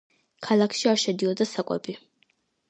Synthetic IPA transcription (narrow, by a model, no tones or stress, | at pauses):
kʰalˠakʰʃiaɾʃɛd̪iɔd̪asakʼwɛ̰bi